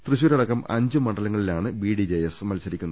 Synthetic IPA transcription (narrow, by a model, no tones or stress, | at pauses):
t̪rɨɕuːɾɐɽɐkːɐmɐ̰ɲd͡ʑɨmɐɳɖɐlɐŋːɐɭilaːɳɨbiːɽid͡ʑejɐsmɐlsɐɾikʲːunːɐ